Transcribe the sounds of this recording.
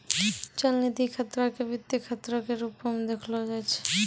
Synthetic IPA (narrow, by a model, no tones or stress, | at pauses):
t͡ɕalnid̪ikʰat̪ːɾakebit̪ːikʰat̪ːɾakeɾupːomd̪ekʰlod͡ʑajt͡ɕʰe̥